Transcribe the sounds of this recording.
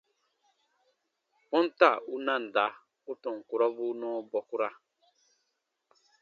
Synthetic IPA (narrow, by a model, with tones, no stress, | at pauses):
pɔ̃˦n̩˦ta˦˨u˦nã˦˨n̩˨da˨˦ | u˦tɔ˨ŋ̩˨ku˨ɾɔ˦bu˦nɔː˦bɔ˨ku˦ɾa˦